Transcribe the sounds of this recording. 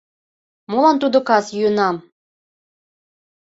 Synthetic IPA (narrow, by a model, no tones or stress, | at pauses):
molɑnt̪ud̪okɑsjyənɑm